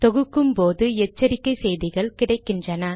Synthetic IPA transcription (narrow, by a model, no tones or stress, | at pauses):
t̪ɔɣɯkːɯmpoːðɯɛt͡ʃːɐɾɪkːɐɪsɛjðɪɣɐɭkɪɽɐɪkːɪndrɐnɐ